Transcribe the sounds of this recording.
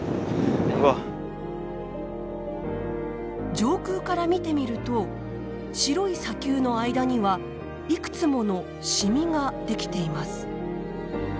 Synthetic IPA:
βa | d͡ʑo̞ːkɯːkaɾamʲit̪e̞mʲiɾɯ̟t̪o̞ | ɕiɾo̞isakʲɨːno̞aid̪aɲ̟iβa | ikɯ̟̥t͡sɨmo̞no̞ | ɕimʲiŋad̪e̞kʲi̥t̪e̞imasɨ̥

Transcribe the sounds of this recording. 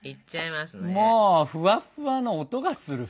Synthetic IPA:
iaimasmoːɸɯ̟βaɸɯ̟βanoːt̪o̞ɡasɨɾɯ̟

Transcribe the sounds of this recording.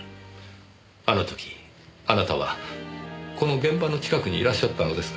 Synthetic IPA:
ano̞t̪o̞̥kʲi̥ | anat̪aβa̰ | ko̞no̞ɡẽ̞mbano̞t͡ɕi̥kakɯ̟ɲ̟iːɾaɕːat̪ːano̞d̪e̞sɨ̥

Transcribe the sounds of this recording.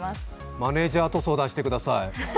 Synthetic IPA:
mane̞ːʑaːt̪o̞so̞ːd̪ãɕi̥t̪e̞kɯ̟d̪asai

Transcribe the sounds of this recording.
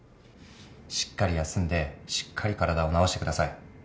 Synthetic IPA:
ɕi̥kːaɾʲijasɨ̃nd̪e̞ɕi̥kʰːaɾʲikaɾad̪ao̞nao̞ɕit̪e̞kɯ̟d̪asai

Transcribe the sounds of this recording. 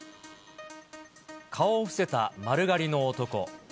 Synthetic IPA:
kʰaoɸɯ̥se̞t̪amaɾɯ̟ɡaɾʲino̞ːt̪o̞ko̞̰

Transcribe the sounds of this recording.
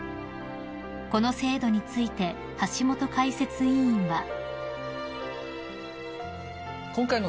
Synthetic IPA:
ko̞no̞se̞ːd̪o̞ɲ̟it͡sɨit̪e̞ | haɕimo̞t̪o̞kaise̞t͡sɨĩĩɰβa | kõŋkaino

